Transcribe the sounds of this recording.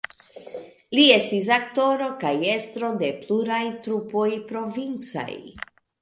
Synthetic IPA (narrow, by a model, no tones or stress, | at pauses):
lie̞stis̬akto̞ɾo̞kaje̞stɾo̞de̞pluɾajtɾupo̞jpɾo̞vint͡sa̰j